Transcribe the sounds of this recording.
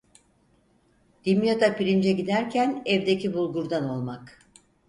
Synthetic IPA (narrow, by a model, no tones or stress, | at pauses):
d̪̥imjot̪ʰapiɾind͡ʒɛɟid̪æɾcʰænɛvd̪ecʰibulˠɡuɾd̪ano̞lˠmak